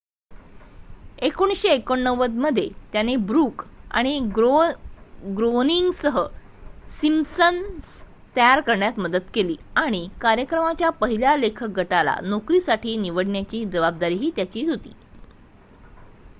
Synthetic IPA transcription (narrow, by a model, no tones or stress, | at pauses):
ekoɽ̃isɕeːkoɳːəʋəd̪məd̪ʱːjet̪janebɾuːka̰ɽ̃i | ɡɾoniŋɡsəɦə | simsəns | t̪əjaɾkəɾɳjat̪məd̪ət̪keliːaɽ̃ikaɾjəkɾəmat͡ɕjapəɦiljalekʰək̚ɡʱəʈala̰nokɾiːsaʈʰiːniʋəɽɳjat͡ɕiːd͡ʑəʋab̚d̪aɾiːɦiːt̪jat͡ɕiːɦot̪ḭː